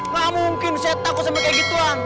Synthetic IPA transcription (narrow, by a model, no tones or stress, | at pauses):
mamuŋkɪnsɛt̪ːakusəmakaɡit̪uaŋ